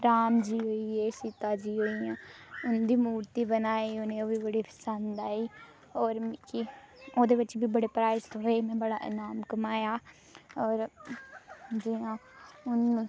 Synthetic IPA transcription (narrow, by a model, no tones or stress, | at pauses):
ɾaːmd͡ʒiːɦoːiːeːsit̪aːd͡ʒiːɦoːiːjãːʊnd̪iːmuːɾt̪iːbənaːiːʊnẽːoːʋiːbəɽiːpʰə̥sənd̪aːiː | ɔːɾkɪ | oːd̪eːʋɪt͡ʃbiːbəɽeːpɾaːst̪ɦoːeːmɛ̃ːbəɽa̰ːʔɪ̰naːmkəmaːjaː | ɔːɾ | d͡ʒiãːʊnː